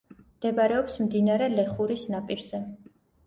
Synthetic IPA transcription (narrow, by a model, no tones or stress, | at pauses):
md̪̥ɛbɾɛɔpsmd̪inaɾɛlɛχuɾisnapʼiɾz̥ɛ